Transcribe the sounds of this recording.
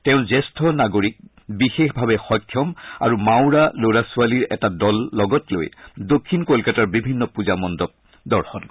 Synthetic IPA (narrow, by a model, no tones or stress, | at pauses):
tɛʊ̃zɛstʰɔnaɡoɹik̚ | bixexbʱabɛxɔjkʰːjɔma̰ɹumaʊɹaloɹasualiɹɛ̰tadɔlːɔɡɔtlo̰jdokʰːinkolkataɹbibʱinːɔpuzamɔndɔp̚ | dɔɹxɔn